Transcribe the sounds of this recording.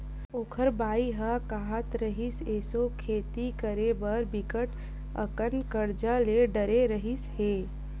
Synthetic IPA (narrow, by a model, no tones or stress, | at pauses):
oːkʰəɾbaːiɦakaːɦət̪ɾəɦiseːsokʰeːt̪ikəɾebəɾbɪkəʈ | ə̰kənkəɾd͡ʒaleɖəɾeɾəɦisheː